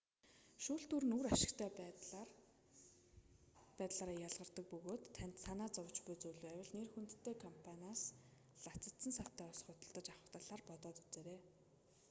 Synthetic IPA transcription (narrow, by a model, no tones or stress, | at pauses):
ʃuːɬt̪uɾɘ̆nuɾaʃɪ̥̆kt̪ʰæːp | æːt̪ɮaːɾaːjaɮʁə̆rt̪ə̆k̚pɵɣoːt̪ʰːænʲt̪sanaːt͡sɔwʰt͡ɕpujt͡sujɮuæwʲɪ̆ɮnerxun̥t̪ːʰeːkʰɔmpʰanʲaːs | ɮat͡sə̆t̪sə̆nsaw̥t̪æːɔsχʊt̪ə̆ɮt̪ə̆t͡ɕaχə̥̆wt̪aɮaːrpɔt̪ɔːt̪ut͡seːɾeː